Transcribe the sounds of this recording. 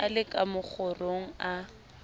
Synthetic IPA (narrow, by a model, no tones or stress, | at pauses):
alɪkʼamʊk͡xʰʊroŋ̩a